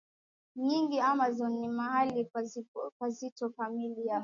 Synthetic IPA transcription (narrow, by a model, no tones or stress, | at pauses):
ɲiŋɡiamazɔnːimaɦalikwazitɔfamilia